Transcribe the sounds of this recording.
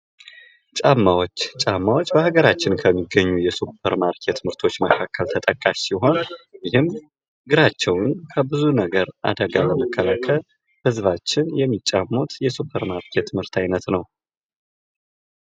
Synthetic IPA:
t͡ʃʼamːawot͡ʃːt͡ʃʼamːawot͡ʃːbəhaɡəɾat͡ʃːɪnkʰəmːiɡːəɲːujɛsupʰəɾmaɾkʰe̞t̪mɨɾt̪ʰo̞t͡ʃːməkʰakːəlt̪ʰət̪ʼəkʼaʃsiɦo̞njɪhɨm | ɡɨɾat͡ʃːɛwnkʰəbɨzunəɡəɾʔa̰d̪əɡaləməkʰːəlakʰəl | hɨzβat͡ʃːɪnjɛmːit͡ʃʼːamːot̪jɛsupʰəɾmaɾkʰe̞t̪mɨɾt̪ʰajnət̪nəw

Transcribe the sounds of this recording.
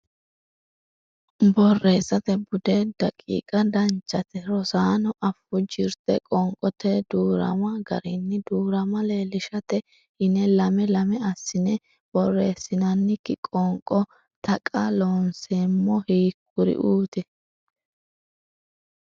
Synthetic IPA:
bɔrːe̞ːsɐt̪ɛbʊd̪ed̪̥ɐkʼḭːkʼɐd̪ɐnt͡ʃːɐt̪ɛɾɔsaːnɔʔɐfːʊd͡ʒɪɾt̪ɛ̰kʼɔŋkʼɔt̪ɛd̪uːɾɐ̰mɐɡɐ̰ɾɪnːɪd̪uːɾɐmɐle̞ːlɪʃɐt̪ɛ | hɪnɛlɐmɛlɐmɛɐsːɪnɛ | b̥ɔrːeːsːɪnɐnːɪkːɪkʼɔŋkʼɔ | t̪ɐkʼɐloːnseːmːɔhiːk̚ːʊɾɪ̰ʔuːt̪ɛ

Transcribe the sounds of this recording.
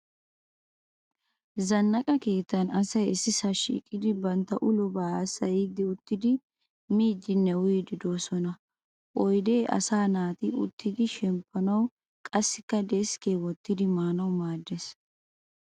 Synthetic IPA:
zɐnːɐkʼɐke̞ːt̪ːɐnɐsɐjɪsːɪsɐʃḭːkʼːɪd̪ɪbɐnt̪ːɐʔʊlɔbaːsɐjɪd̪ɪʊt̪ːɪd̪ɪ | miːd͡ʒɪnːɛwʊjd̪ɪd̪o̞ːsɔnɐ | ʔɔjd̪e̞ːʔɐ̰saːnaːt̪ɪʔʊ̰t̪ːɪd̪ɪʃɛmpʰːɐnɐw | kʼɐsːɪkːɐd̪eːskeːwɔt̪ːɪd̪ɪmaːnɐwmaːd̪ːes

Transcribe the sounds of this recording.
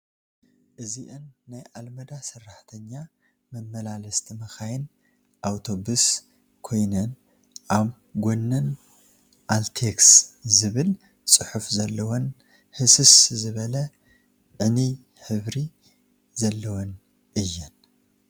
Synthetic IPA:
ʔɨziʔɨnːajʔalmɐd̪asɐrːaħt̪ʰɐɲːa | mɐmːɐlalɐst̪ʰimɐxajɪn | ʔawt̪ʰo̞bus | kʰo̞jnɐn | ʔaβ | ɡʷonːɐn | ʔalt̪ʰekszɨβɨl | t͡sʼɨħufzɐlːɐwon | hɨsɨszɨβɐlɐ | ʕɨni | ħɨβɾi | zɐlːɐwon | ʔɨjːɛn

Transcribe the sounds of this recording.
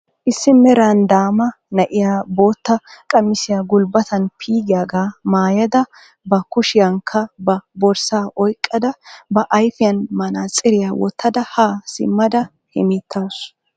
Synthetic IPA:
ʔɪsːɪmɛɾaːnd̪aːmɐ | nɐʔɪjaːbo̞ːt̪ːɐkʼɐmːɪsɪjaːɡʊlbɐt̪ɐnpʰiːɡɪjaːɡaːmaːjɐd̪ɐ | bɐkʊʃɪjɐŋkʰːɐbɐbɔɾsaːʔɔjkʼːɐd̪ɐbɐʔɐjfɪjɐnmɐnaːt͡sʼɪɾɪjaːwɔ̰t̪ʰːɐd̪ɐhaːsɪ̰mːɐd̪ɐ | hɛmiːt̪ʰːas

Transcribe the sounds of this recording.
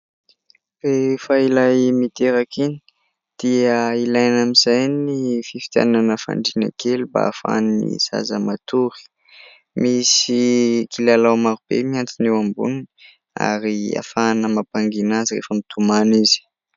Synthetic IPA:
refəilajmit̪eɾakini̥ | d̪̥iəilajnamizajnififi̥t̪a̰nanəfa̰ɳɖ͡ʐina̰keluba̰afa̰nnḭza̰zəmat̪uɾi̥ | misikilalawmaɾub̥ḛmiant͡sinewambṵnini | a̰ɾia̰fanəmapaŋɡinazirḛfəmit̪ʰumanizi̥

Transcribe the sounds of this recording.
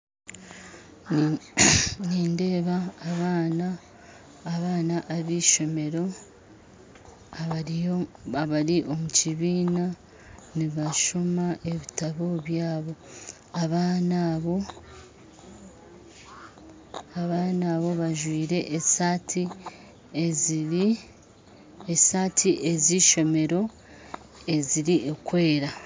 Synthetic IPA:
niːnde̞ːβaːβanaː | βaːnaʔaβiːʃo̞me̞ɾo̞ | a | aβaɾiʔo̞muciβiːna | niβaʃomaʔe̞βitaβo̞βjaːβo̞ | aβanaβo | aβaːnaːβo̞βaʒwiːɾe̞ʔsati | esaːtʰiʔe̞ziʃo̞me̞ɾo̞ | e̞ziɾiʔekwe̞ːɾa

